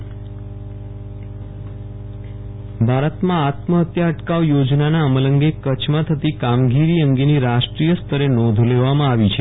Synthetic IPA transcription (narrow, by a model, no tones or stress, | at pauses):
bʱaɾət̪mãat̪məət̪jaəʈkaʋjod͡ʒnanaəmələŋɡekət͡ʃʰmãt̪ʰət̪ikamɡiɾiəŋɡeniɾaʃʈɾijəst̪ʰəɾenɔd̪ʱleʋamãaʋit͡ʃʰe